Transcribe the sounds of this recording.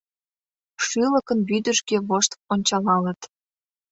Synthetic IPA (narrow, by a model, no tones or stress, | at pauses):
ʃyləkənbyd̪əʃkeβoʃt̪onʲt͡ɕɑlɑlət̪